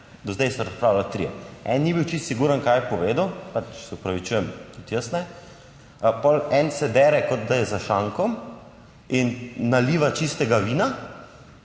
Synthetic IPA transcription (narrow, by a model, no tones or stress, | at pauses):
d̪ɔzd̪ɛjsɔɾɐspɾawlalt̪ɾḭjɛ̰ɛ̰nːibiwt͡ʃist̪siɡuːɾənkajɛpɔʋeːd̪əwpat͡ʃsɛupɾaʋit͡ʃujɛmt̪ut̪jəsnɛ | pɔlɛnsɛd̪ɛɾɛkɔt̪̚d̪ajɛzaʃaŋkɔm | inːaliʋat͡ʃist̪ɛɡaʋiːna